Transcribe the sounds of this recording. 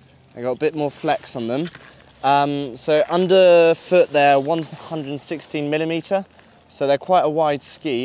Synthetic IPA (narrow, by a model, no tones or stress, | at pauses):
aɪɡɒtəbɪʔmɔːflɛksn̩ðə̃m | ʌ̃msoʊʔʌ̃ndəfʊʔðəwʌ̃nhʌ̃ndɹədən̩sɪkstĩnmɪlɪmiˑtʰə | soʊðəkʰw̥aɪtəwaɪd̥skiː